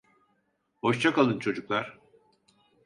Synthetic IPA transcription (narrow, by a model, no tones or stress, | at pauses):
ho̞ʃt͡ʃʰakalˠɯnt͡ʃʰo̞d͡ʒuklˠaɾ̥